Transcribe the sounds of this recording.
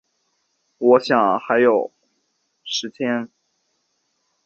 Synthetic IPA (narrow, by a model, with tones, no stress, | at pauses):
wɔ˧˥ɕjɑ˨˩ŋxa˧˥ɪjo˨˩ʊ | ʂɻ̩˧˥t̪ʰjɛ˥n